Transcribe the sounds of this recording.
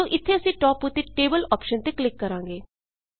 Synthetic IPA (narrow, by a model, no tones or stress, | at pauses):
oːʔɪt̪ʰːeəsĩːʈɔːput̪ːeʈeːbəlɔːpʃənt̪eklɪkːəɾãːŋɡeː